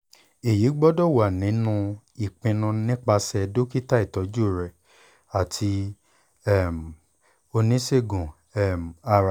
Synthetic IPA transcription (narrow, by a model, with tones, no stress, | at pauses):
e˨ji˨˦ɡ͡bɔ˦dɔ˦˨wa˨nĩ˨˦nũ˧ | i˨k͡pĩ˧nũ˧nĩ˦k͡pa˧sɛ˧do˦ki˦ta˦i˦˨tɔ˨˦d͡ʒu˦˨ɾɛ˨ | a˨tʰi˧˦ | ɛ˦˨m˨ | o˧nĩ˦se˦˨ɡũ˨ | ɛ˦˨m˨a˧ɾa˨